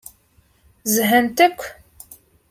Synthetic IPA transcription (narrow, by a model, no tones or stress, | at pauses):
zəɦənt̪ækʷː